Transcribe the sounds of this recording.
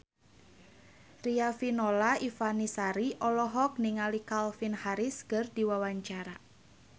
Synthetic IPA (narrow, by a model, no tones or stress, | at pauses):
riafinɔlaifanisaɾiʔɔlɔɦɔk̚niŋalikalfinhaɾiskɨrdiwawaɲt͡ʃaɾa